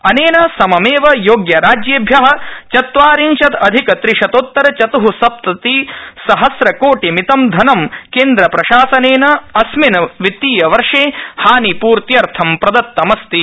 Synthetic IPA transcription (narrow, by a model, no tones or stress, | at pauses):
ɐneːnɐsɐmɐmeːʋɐjoːɡjɐɾaːd͡ʒjeːbʱjɐɦɐ̆t͡ʃɐt̪ʋaːɾinʃɐt̪ɐd̪ʱikɐt̪ɾiʂɐt̪oːt̪ːɐɾɐt͡ʃɐt̪uɦusɐp̚t̪ɐt̪isɐɦɐsɾɐkoːʈimit̪ɐmd̪ʱɐnɐmkeːnd̪ɾɐpɾɐʃaːsɐneːnɐɐsminɐʋit̪ːiːjɐʋɐɾʂeːhaːnipuːɾt̪jɐɾt̪ʰɐmpɾɐd̪ɐt̪ːɐmɐst̪i